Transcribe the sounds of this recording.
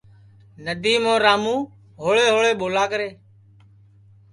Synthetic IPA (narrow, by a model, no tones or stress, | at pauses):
nəd̪iːmõːɾaːmũː | ɦoːɭeːɦoːɭeːɓoːlaːkəɾeː